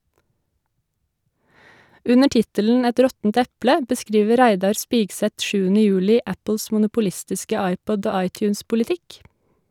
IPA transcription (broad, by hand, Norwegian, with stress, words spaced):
ˈʉnə ˈʈɪtəln̩ ˈɛt ˈɾɔtn̩t ˈɛplə bəˈskɾiːʋə ˈɾæɪdɑɾ ˈspiːɡˌsɛt ˈʃʉːənə ˈjʉːlɪ ˈʔæpl̩s mʊnʊpʊˈlɪstɪskə ˈɑɪˌpɔd ˈoː ˈɑɪˌtjʉːnspʊlɪˌtɪk